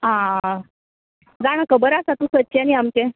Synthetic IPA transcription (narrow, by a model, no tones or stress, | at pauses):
ɦã | d͡zaɽ̃əkəbəɾasat̪ũsətːt͡ɕaniamt͡ɕe